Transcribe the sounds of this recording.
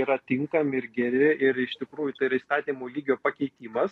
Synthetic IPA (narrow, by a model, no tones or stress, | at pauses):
iːɾɐt̪ʲɪŋkɐmʲɪɪɾɡʲɛɾʲɪʔɪɾɪʃt̪ʲɪkɾuːjʊt̪ɐɪɾɐist̪ɑːt̪ʲiːmoːlʲiːɡʲoːpɐkʲɛɪt̪ʲiːmɐs